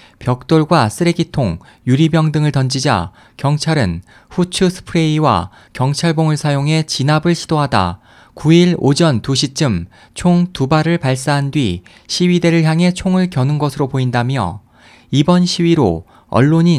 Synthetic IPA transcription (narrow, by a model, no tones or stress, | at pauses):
pjʌk̚t͈oɭɡwas͈ʰɯɾe̞ɡitʰoŋ | juɾibjʌŋdɯŋɯɭtʌnd͡ʑid͡ʑa̰ | kjʌŋt͡ɕʰaɾɯn | ɸut͡ɕʰusʰɯ̥pʰɯɾe̞iwa̰ | kjʌŋt͡ɕʰaɭboŋɯɭsʰajoŋɦe̞t͡ɕinabɯɭɕʰidoɦada̰ | kuiɭod͡ʑʌntuɕʰit͡ɕ͈ɯm | t͡ɕʰoŋtubaɾɯɭpaɭs̬͈aɦandɥi | ɕʰiɥide̞ɾɯɭçjaŋɦe̞t͡ɕʰoŋɯɭkjʌnɯnɡʌsʰɯɾopoindamjʌ̰ | ibʌnɕʰiwiɾo̰ | ʌ̰ɭːoɲi